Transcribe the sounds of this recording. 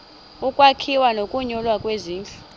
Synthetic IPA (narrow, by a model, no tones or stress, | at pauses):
ukʼwakʰiwanokʼuɲɔlwakʼweziːnt͡ɬʼɔ̥